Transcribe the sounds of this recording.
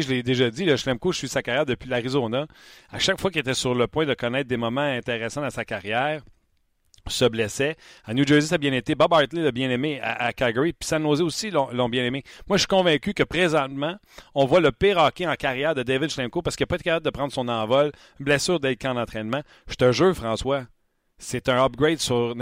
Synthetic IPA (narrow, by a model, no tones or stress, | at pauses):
ʒəled̪eʒʌdd͡z̪iləʃlɛ̃mkoʃsɥisakaʁjɛːʁd̪əpɥilaʁizonaaʃakfwakʲet̪ɛsyʁləpwɛ̃d̪əkɔnɛɪt̪̚d̪emɔmãɛ̃t̪eʁɛsãasakaʁjɛːʁ | səblɛsɛanjud͡ʒɜ˞zisabjɛ̃net̪ebabɑɹt̪leləbjɛ̃nemea̰ʔakaɡɔʁipi̥sanoːzɛosilɔ̃lɔ̃bjɛ̃nememwaʃi̥kɔ̃vɛ̃kʲykəpʁezɑ̃t̪mã | ɔ̃vwaləpeʁɑːkʲeɑ̃kaʁjɛːʁd̪əd̪evɪd̪ʃlɛ̃mkopasəkjapɔet̪ekapab̚ld̪əpʁɑ̃d̪ʁsɔ̃nɑ̃ːvɔl | blɛsyːʁd̪ɛlkaɑ̃nɑ̃t̪χɛnmã | ʃt̪ə̃ʒøfʁɑ̃swa | set̪ɛ̃ʌp̚ɡʁed̪syʁ